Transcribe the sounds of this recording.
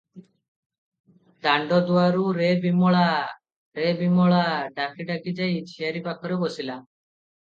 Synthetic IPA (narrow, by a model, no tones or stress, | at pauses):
d̪aɳɖɔd̪uaɾuɾebimɔɭa | ɾebimɔɭaɖakʰiɖakid͡ʒajt͡ʃʰiaɾipakʰɔɾebɔsila